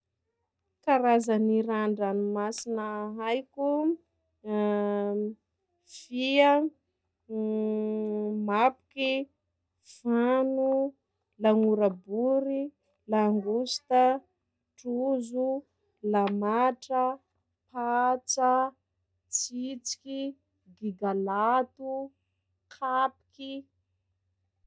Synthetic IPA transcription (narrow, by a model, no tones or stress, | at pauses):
kaɾazaniɾaɳɖ͡ʐanumasinəɦajkʲu | fia | mapu̥ki | fanu | laŋuɾabuɾi | laŋɡust̪a | ʈ͡ʂuzu | lamaʈ͡ʂə | pat͡sa | t͡sit͡si̥ki | ɡiɡalat̪u | kʰapi̥kʲi